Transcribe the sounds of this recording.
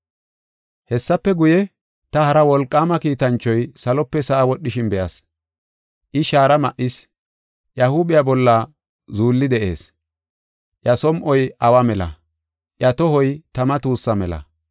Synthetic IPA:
hɛsːɐpːɛɡʊjɛ | t̪ɐhɐɾɐwɔlkʼːaːmɐkiːt̪ɐnt͡ʃːɔjsɐlɔpːɛsɐʔawɔɗːɪʃɪnbɛjɐs | ʔɪʃaːɾɐmɐʔːɪs | ʔjɐhʊbɪjabɔlːa | zuːlːɪd̪ɛʔe̞̰ːs | ʔjɐsɔmʔɔjʔɐwamɛlɐ̰ | ʔjɐt̪ɔhɔjt̪ɐmɐt̪uːsːɐmɛlɐ̰

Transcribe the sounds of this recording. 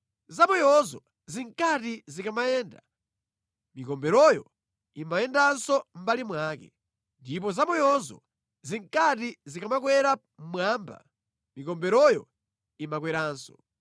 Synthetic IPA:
zamujɔzɔ | ziŋkatizikamajɛːnda | mikɔmbɛɾɔjɔ | imajɛndansɔm̩balimwaːkɛ̰ | ndip̬ɔzamujɔzɔ̰ | ziŋkatizikamakwɛɾa | mmwaːmba̰ | mikɔmbɛɾɔjɔ | imakwɛɾaːnsɔ̥̰

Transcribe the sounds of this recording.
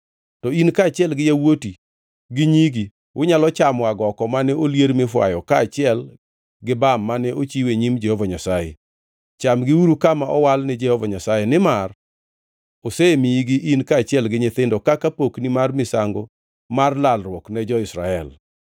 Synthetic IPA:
tɔinkaːt͡ʃɪɛlɡɪjawoti | ɡɪɲiɡi | ʔʊɲalɔt͡ʃamɔaɡɔkɔmanɛoljeɾmɪfwa̰jɔkaːt͡ʃɪɛl | ɡɪbamːanɛʔot͡ʃiweɲimd͡ʒɛhovaɲasajɛ̰ | t͡ʃamɡɪuɾukamaɔwalnɪd͡ʒɛhovaɲasajɛnɪmar | osemiiɡiʔinkaːt͡ʃɪɛlɡɪɲet̪endɔkakapoknimarmɪsaŋɡo | marlalrwɔknɛd͡ʒɔɪsɾaɛl

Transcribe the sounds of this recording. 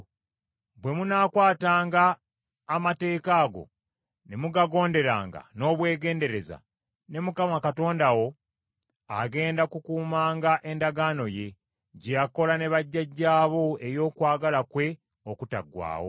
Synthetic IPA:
bwe̞munaːkwaːtaːŋɡaː | mate̞ːkaːɡo̞̰ | nemuɡaɡo̞ːnde̞ɾaːŋɡa̰no̞ːβwe̞ːɡe̞ːnde̞ɾe̞za̰ | ne̞mukamakato̞ːndawo̞ | aɡe̞ːndakukuːmaːŋɡaʔe̞ndaɡano̞je̞ | ɟejako̞lane̞βaɟːaɟːaːβo̞e̞jo̞ːkwaːɡalakwe̞ | okuta̰ɡwa̰ːwo̰

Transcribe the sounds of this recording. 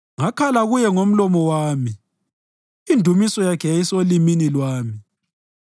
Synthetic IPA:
ŋakʰalaɣujɛŋom̩lɔmɔwaːmi | indʱumisɔjakʰɛjajisoliminilwaːmi

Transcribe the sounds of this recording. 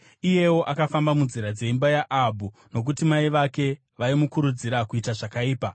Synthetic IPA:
ije̞wo̞ʔakafambamunziɾad͡ze̞imbajaʔːbʱu | no̞k̬utimaiʋake̞ | ʋaimukuɾud͡ziɾakuitaʐakaiːpa

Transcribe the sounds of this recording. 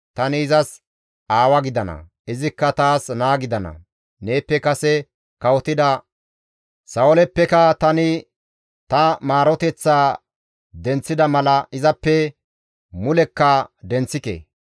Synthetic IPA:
t̪ɐnɪːzɐs | aːwɐɡɪd̪ɐnɐ̰ | ɪzɪkːɐt̪aːsnaːɡɪd̪ɐnɐ̰ | ne̞ːpːɛkɐsɛ | kɐwɔt̪ɪd̪ɐ | sɐwɔlɛpːɛkɐt̪ɐnɪ | t̪ɐmaːɾɔt̪ɛt͡sːaː | d̪ɛnt͡sːɪd̪ɐmɐlɐɪzɐpːɛ | mʊlɛkːɐd̪ɛnt͡sːɪkḛː

